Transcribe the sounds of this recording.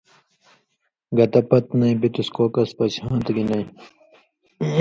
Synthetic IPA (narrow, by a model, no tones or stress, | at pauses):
ɡɐt̪ɐpɐt̪nɐj̃bit̪uskoːkɐspɐshãːt̪ɡinɐj